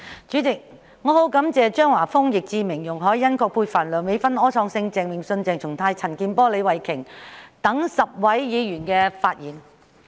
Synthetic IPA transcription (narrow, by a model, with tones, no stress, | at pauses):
t͡ʃyː˨˥t͡sɪ˨k̚ | ŋɔː˨˧ho˨˥wkɐ˨˥mt͡sɛː˨t͡ʃœː˥ŋwaː˨˩fʊ˥ŋjɪ˨k̚t͡siː˧mɪ˨˩ŋjʊ˨˩ŋɦɔː˨˥jːɐ˥nkʰɔː˧k̚pʰuː˧jfaː˨˩nlœː˨˩ŋme˨˧jfɐ˥nɔː˥t͡sʰɔː˨˧ŋsɪ˧ŋt͡sɛː˨ŋmɪ˨˩ŋsɵ˧nt͡sɛː˨ŋt͡sʰʊ˨˩ŋt̪ʰaː˧jt͡sʰɐ˨˩nkiː˧npɔː˥le˨˧jwɐ˨˩jkʰɪ˨˩ŋt̪ɐ˨˥ŋsɐ˨p̚wɐ˨˥jːiː˨˧jyː˨˩nkɛː˧faː˧t̚jiː˨˩n